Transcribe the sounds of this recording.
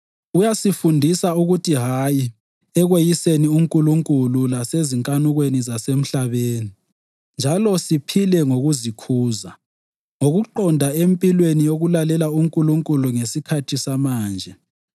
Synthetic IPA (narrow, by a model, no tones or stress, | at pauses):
ujasifundʱisauɣutʰiɦaːji | ɛɣwejiseniuŋkʼuluŋkʼululaseziŋkʼanuɣwenizasem̩ɬaβeːni | nd͡ʒʱalɔsipʰilɛŋoɣuzikʰuːza | ŋoɣuǃɔndʱaempʼilwenijoɣulalɛlauŋkʼuluŋkʼuluŋesikʰatʰisamaːnd͡ʒʱɛ